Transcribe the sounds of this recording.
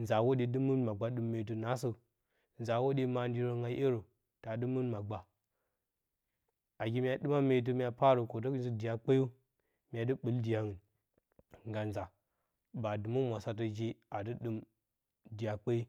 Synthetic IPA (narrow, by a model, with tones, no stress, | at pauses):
nza˨wo˦di˨dɨ˦mu˦nma˨ɡ͡ba˦ɗɨ˦mːe˨˦t̬u˨na˨˦s̬ə˦ | n˨za˨wo˦di˦ma˨n˦di˦ɾo˦ŋa˦ʔe˦ɾo˨ | ta˨dɨ˦mɨ˦nma˨ɡ͡ba˨ | a˨ɡi˦mʲ˦a˨ɗɨ˦ma˦me˨˦t̬u˦mʲ˦a˨pa˦ɾo˨ko˨t̬o˦kn˦zi˦di˨ja˨k͡pa˦ju˦ | mʲ˨a˨dɨ˦ɓɨ˨ldi˨ja˨ŋɨ˨n | ŋɡa˨nza˨ | ba˨dɨ˨mu˦mʷ˨a˨sa˦t̬ə˨d͡ʒi˦a˨dɨ˦ɗɨ˦m | di˨ja˨k͡pa˦i˦